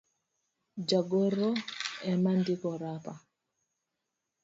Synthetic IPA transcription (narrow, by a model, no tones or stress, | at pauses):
d͡ʒaɡɔɾːɔɛmandikɔɾaːpa